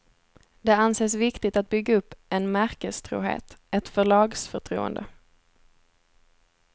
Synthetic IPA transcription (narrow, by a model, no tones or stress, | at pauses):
d̪ɛanseːs̬vɪkt̪ɪt̪at̪̚bʏɡːaɵpːɛnmæɾkəst̪ʰɾṵːɦḛːt̪ɛt̪fœɭɑːɡsfœʈʰɾṵːə̰nd̪ə̰